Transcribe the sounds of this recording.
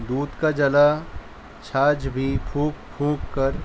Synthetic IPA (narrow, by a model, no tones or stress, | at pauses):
d̪uːd̪kad͡ʒəla | t͡ʃʰaːd͡ʒbʱipʰũːkpʰũːkkəɾ